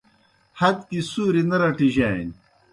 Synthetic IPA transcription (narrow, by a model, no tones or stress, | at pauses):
hɐd̪kisuːɾinɐɾɐʈiʑaːḭn